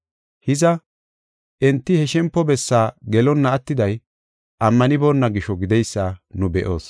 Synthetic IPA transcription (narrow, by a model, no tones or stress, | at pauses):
hɪzɐ | ʔɛnt̪ːɪhɛʃɛmpːɔbɛsːaːɡɛlɔnːɐɐt̪ːɪd̪ɐj | ʔɐmːɐnɪbɔnːɐɡɪʃɔɡɪd̪ɛjsːaːnʊbɛʔo̞ːs